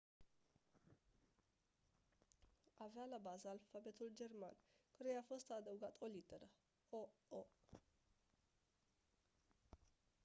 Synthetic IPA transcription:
avjalabazalfabet̪ʰuld͡ʒermankʰəɾəjafost̪ad̪əwɡat̪ʼolit̪əɾə | oo

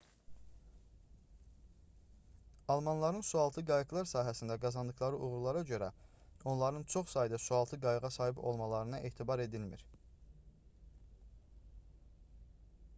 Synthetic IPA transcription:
ɑlˠmɑnlˠɑɾɯnsuɑlˠt̪ʰɯɡɑjɯɡlˠɑɾsɑːɦæsind̪æɡɑzɑnd̪ɯxlˠɑɾɯʔuɣuɾulˠɑɾɑɟø̞ɾæ | o̞nlˠɑɾɯnt͡ʃʰo̞χsɑjd̪ɑsuɑlˠt̪ʰɯɡɑjɯʁɑsɑːɦibo̞̰lˠmɑlˠɑɾɯnɑʔeːt̪ʰibɑɾe̞d̪ilmḭɾ

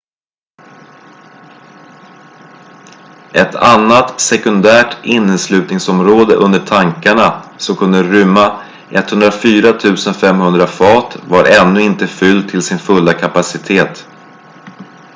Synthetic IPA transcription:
ʔɛt̪ʰanːat̪sɛkɵnd̪æːʈɪnːəslʉ̟ːt̪nɪŋsɔmɾoːd̪əʔɵnd̪əʈʰaŋkaɳasɔmkʰɵnd̪əɾʏmːa | ʔɛt̪ːhɵnd̪ɾafyːɾat̪ʰʉ̟ːsənfɛmhɵnd̪ɾafɑːt̪vaɾʔɛnːɵɪnt̪əfʏld̪̚t̪ʰɪlsɪnfɵlːakʰapasɪt̪ʰeːt̪

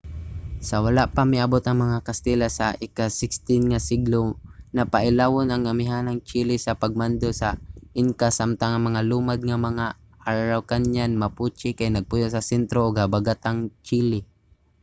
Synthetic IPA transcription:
sɐwalaʔpamɪabot̪ɐŋmɐŋakɐst̪ɛlasaʔɪkasɪkst̪ɪnŋasɪɡlonapaʔɪlawonɐŋɐmɪɦanaŋt͡ʃilɪsɐpaɡ̚mand̪osaʔɪŋkasamt̪aŋɐŋmɐŋaluːmad̪̚ŋamɐŋa | ʔaːawkanɲanmɐput͡ʃɪkajnɐɡ̚pʊjosɐsɛnt̪ɾoʔʊɡhabaɡat̪aŋt͡ʃilɪ

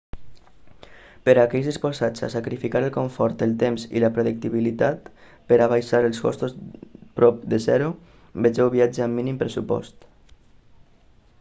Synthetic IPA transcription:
pəɾakɛʎzðispozat͡sa̰sakɾifikaɾəlˠkoɱfɔɾt̪əlˠt̪emzḭləpɾoðək̚t̪iβilit̪at̪ | pəɾaβ̞ajsaɾəlˠskɔ̰st̪ozpɾɔp̚d̪əzɛɾu | bed͡ʒɛwβiad͡ʒaamːinimpɾesupɔ̰st̪

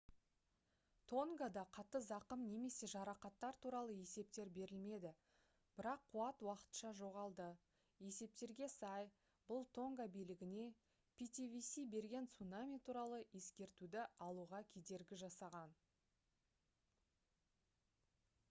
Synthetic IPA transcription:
t̪ʰo̞ŋɡad̪ɑqʰɑt̪ːəzɑqəmne̞me̞se̞ʒɑɾɑqɑt̪ːɑɾt̪ʰuɾɑlˠəje̞se̞p̚t̪e̞ɾbe̞ɾɪlme̞d̪ɪ | b̥ɪɾɑqʰːuɑt̪wɑqə̥t̪ʃɑʒo̞ʁɑlˠd̪ə | je̞se̞p̚t̪e̞ɾɡʲe̞sɑj | bʊlˠt̪ʰo̞ŋɡabijlɪɡʲɪne̞ | pʲʰit̪ʲivʲisijbe̞ɾɡʲe̞nt̪sunamʲijt̪ʰuɾɑlˠəe̞skʲe̞ɾt̪ud̪ɪɑlˠuʁɑkʲʰe̞d̪e̞ɾɡʲɪʒɑsɑʁɑn

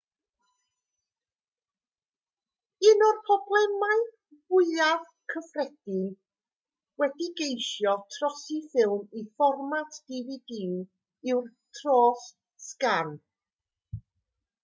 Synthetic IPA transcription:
ɨnɔrpʰɔblˠɛmaɨ | vʊɨað | kʰəfrɛd̥ɪn | wɛdiɡejʃjɔtʰrɔsifɪlˠmifɔrmatʰd̥ividiu | ɪwrtʰroːɬ | skan

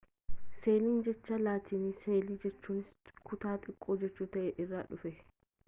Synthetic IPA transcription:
se̞ːliːnd͡ʒɛt͡ʃːɐlaːt̪ʰiːnɪseːliːd͡ʒɛt͡ʃːuːnɪskʊt̪aːt̪ʼɪkʼːoːd͡ʒɛt͡ʃːuːt̪ɐʔɛʔɪrːaːᶑʊfɛ

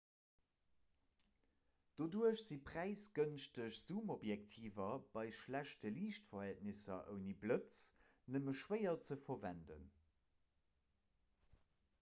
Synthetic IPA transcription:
d̥oduəɕz̥ipʁ̥æɪsɡ̥ənʃtəɕz̥uːmobjɛk̚tʰiːvɐb̥ɑɪʃlæʃtəliːʃtfɐhæltnisɐ̰ʔə̰ʊniblət͡s | nəməʃwɜɪɐt͡səfɐvæ̰ndə̰n

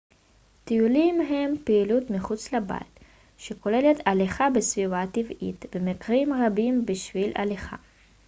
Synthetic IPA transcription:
t̪ijulimɦe̞mpeilut̪miχut͡sleba̰l | ʃeko̞le̞le̞taleχabesvivat̪ivit̪bemekʁimʁabimbiʃvilʔa̰leχa̰

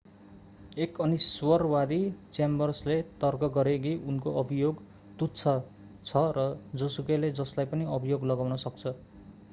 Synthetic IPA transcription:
ekʌniswʌrwad̪it͡sembʌrslet̪ʌrɡʌɡʌɾekiʔunkoʔʌbʱijoɡ | t̪utt͡sʰʌ | t͡sʰʌrʌd͡zʌsukeled͡zʌslajpʌniʌbʱijoɡlʌɡawnʌsʌk̚t͡sʰʌ

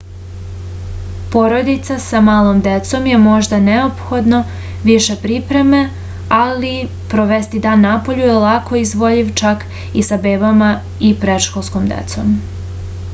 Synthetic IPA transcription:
po̞ɾo̞d̪it̪sasamaːlˠo̞md̪e̞t̪so̞mje̞mo̞ʒd̪aneo̞pxo̞d̪no̞ | ʋiʃe̞pɾipɾe̞me̞ | ali | pɾo̞ʋest̪id̪aːnːapo̞ʎujelakʰo̞izʋo̞ʎiʋt͡ʃak | isabeːbama | ipɾe̞ʃkolˠskomd̪ḛt̪so̞̰m

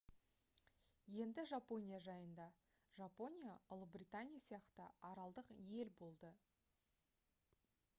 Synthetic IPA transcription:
je̞nd̪ɪʒapo̞nʲijaʒɑjənd̪ɑ | ʒapo̞nʲijaʊlˠəbrʲit̪anʲijasijɑqt̪əɑɾɑlˠd̪əqje̞lbo̞lˠd̪ə

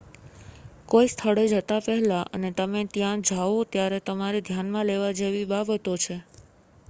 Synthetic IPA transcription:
koist̪ʰəɭed͡ʒət̪apɛɦlaʔə̰net̪əmet̪jãd͡ʒaʋot̪jaɾet̪əmaɾed̪ʱjanmãleʋad͡ʒeʋibabət̪ot͡ʃʰe

